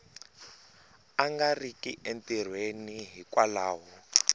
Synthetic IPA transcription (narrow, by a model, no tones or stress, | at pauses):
aŋɡarikʼiʔentir̤weniɦikʼwalaːɦɔ